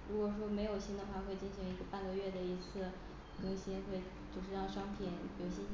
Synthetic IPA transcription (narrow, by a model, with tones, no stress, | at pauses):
ɻu˧˥kwɔ˨˩ʂ̬wɔ˥me˧˥ɪjo˨˩ʊɕi˥nd̪ə˨˧xwa˥˧xwe˥˧ɪt͡ɕi˥˩nɕi˧˥ŋi˧˥ɡə˧pa˥˧nɡə˧ɥɛ˥˩d̪ə˩i˧˥t͡sʰɹ̩˥˩ | kɤ˥ŋɕi˥nxwe˥˧ɪ | t͡ɕjo˥˧ʊʂ̬ɻ̩˧ɑ˥˩ŋʂwɑ˥ŋpʰi˨˩˦njo˨˩ʊɕi˥